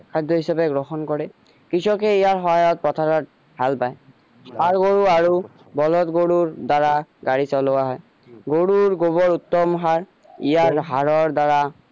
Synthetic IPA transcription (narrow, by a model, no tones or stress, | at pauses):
kʰadʱːɔɦisabɛɡɹɔxɔnkɔɹɛ | kisɔkɛijaɹxɔɦajɔt̚pɹɔtʰaɹɔt̚ | halpaj | paɹɡoɹuaɹu | bɔlɔtɡoɹuɹdaɹaɡaɹisɔlowaɦɔj | ɡoɹuɹɡobɔɹutːɔmɦaɹ | ijaɹɦaɹɔɹdaɹa